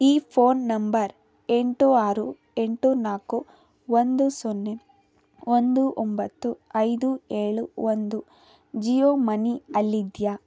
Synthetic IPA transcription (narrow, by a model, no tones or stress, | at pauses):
iːpʰoːnːɐmbɐɾ | e̞ɳʈuaːɾu | e̞ɳʈunaːku | ond̪usonːe | ond̪uʔombɐt̪ːuɐjd̪ueːɭuʋond̪u | d͡ʒijoːmɐniɐlːid̪ja